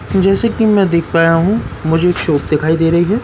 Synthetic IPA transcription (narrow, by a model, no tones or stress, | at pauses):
d͡ʒɛːsekimɛ̃d̪eːkʰpaːjaɦũmʊd͡ʒʱeːkʃoːp̚d̪ɪkʰaːid̪eːɾɐɦiɦɛː